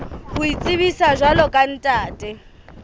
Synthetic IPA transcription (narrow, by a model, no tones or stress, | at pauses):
hʊit͡sʼɪβisaʒwalɔkʼan̩tʼaːtʼɛ